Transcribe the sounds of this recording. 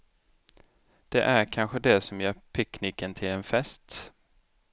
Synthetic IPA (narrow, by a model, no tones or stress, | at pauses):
d̪̥ɛʔæɾkʰanɧəd̪ɛsɔmjœːɾpʰɛkniːkːənt̪ʰɪlɛnfɛst̪